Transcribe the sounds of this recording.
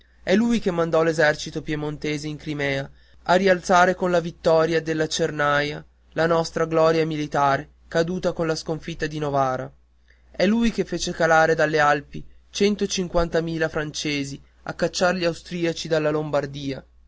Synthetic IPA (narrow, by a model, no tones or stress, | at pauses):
ɛlːujkemːand̪ɔlezɛrt͡ʃit̪opjemont̪eːzeiŋkɾimɛːa | arːialt̪saːɾekonlavit̪ːɔːɾjad̪elːat͡ʃernaja | lanɔst̪ɾaɡlɔːɾjamilit̪aːɾe | kad̪uːt̪akonlaskoɱfit̪ːad̪inovaːɾa̰ | ɛlːujkefːeːt͡ʃekalaːɾed̪alːealpit͡ʃɛnt̪ot͡ʃiŋkwant̪amiːlafɾant͡ʃeːzi | a̰kːat͡ʃːaɾʎiawst̪ɾiːat͡ʃid̪alːalombard̪iːa